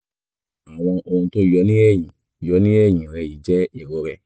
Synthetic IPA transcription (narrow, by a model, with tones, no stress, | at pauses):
a˨w̃ɔ̃˧ʔo˧ũ˧to˦jɔ˨˧˦nĩ˦ɛ˦˨j̃ĩ˨ | jɔ˨˦nĩ˦ɛ˦˨j̃ĩ˨ɾɛ˧i˨˦d͡ʒɛ˦i˦˨ɾɔ˨˧ɾɛ˨